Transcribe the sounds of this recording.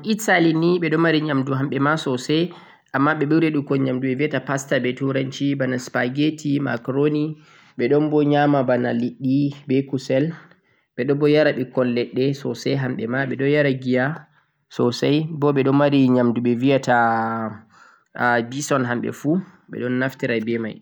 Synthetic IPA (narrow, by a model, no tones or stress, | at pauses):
ʔisaliniɓɛɗɔmaɾiɲamduɦamɓɛmasɔsɛ | ʔamːaɓɛɓuwɾeɗukɔɲamduɓɛvijatapastabɛtuɾant͡ʃibanaspaɡetʰima̰kɾoni | ɓɛɗɔnbɔɲamabana̰liɗːibɛkusɛl | ɓɛɗɔbɔjaɾaɓikɔlːɛɗːɛsɔ̰sɛɦamɓɛmaɓɛɗɔjaɾaɡija | sɔsajbɔɓɛɗɔnmaɾiɲamduɓɛvijata | bisɔnɦamɓɛ̰fu | ɓɛ̰ɗɔnːaftiɾajbɛma̰j